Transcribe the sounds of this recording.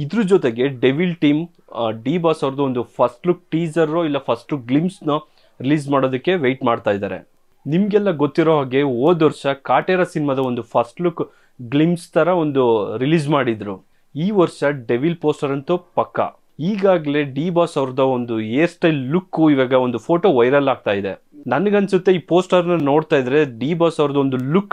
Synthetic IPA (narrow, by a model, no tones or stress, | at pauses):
id̪ɾud͡ʒɔt̪eɡe̞ɖe̞ʋilʈiːm | ɖiːbaːsɐʋɾɐd̪ɐond̪upʰɐsʈluk̚ʈiːd͡ʒɐɾːoilːɐpʰɐsʈukɡlimsnu | ɾiliːd͡ʒmaːɽoːd̪ɐkːe̞ʋe̞jʈmaːɖt̪aːjd̪a̰ːɾe̞̰ | nimɡɛlːɐɡot̪ːiɾoːɦaːɡe̞oːd̪ɐɾʃɐkaːʈeːɾɐsinimɐd̪ɐond̪upʰɐsʈluk | ɡlimst̪ʰɐɾɐo̞nd̪uɾiliːd͡ʒmaːɽid̪ɾu | iːʋɐɾʃɐɖeʋilpoːsʈɐɾɐnt̪upɐkːɐ̰ | iːɡaːɡɐle̞ɖiːbaːsɐʋɾɐd̪ɐond̪ueːsʈɐjllukːuiʋaːɡɐo̞nd̪upʰo̞ːʈo̞ːʋɐjɾɐlaːɡ̚t̪aːjid̪e̞̰ | nɐnɐɡɐnsut̪ːeiːpo̞ːsʈɐɾnɐno̞ːɽt̪aːjd̪ɐɾe̞ɖiːbaːsɐwɾɐd̪ɐond̪ulukː